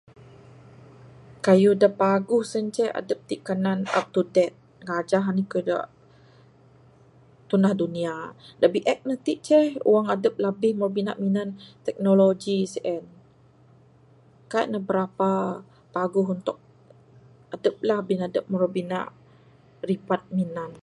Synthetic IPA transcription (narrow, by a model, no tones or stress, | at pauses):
kajudapaɡʊhsənt͡ʃɛha̰dəp̚t̪iʔkanana̰p̚t̪udɛt̪̚ | ŋad͡ʒaɦanikajuda̰ʔ | t̪unahduniadaʔbiʔɛk̚nət̪iʔt͡ʃɛhṵwaŋadəp̚lahbɪhmɾbina̰ʔminant̪ɛk̚nolod͡ʒisʔɛn | kaiʔnabəɾapa | paɡʊɦunt̪ʊk̚ | adəp̚lahbɪhnadəp̚muɾabina̰ʔ | ripat̪̚minan